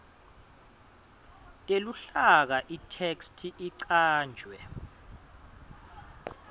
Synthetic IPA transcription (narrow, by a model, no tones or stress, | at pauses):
tʼeluɬak̬aʔitʰekstʰiʔiǀaːnd͡ʒʱwɛ